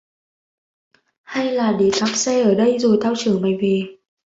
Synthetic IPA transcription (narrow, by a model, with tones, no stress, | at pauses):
ha˧jlaː˨˩ɗe˨˩k̪aː˦˥p̚sɛ˧ʔəː˧˩ɗə˧jzo˨˩jt̪ʰaː˧wt͡ɕɨ˨˧˩əŋma˨˩jve˨˩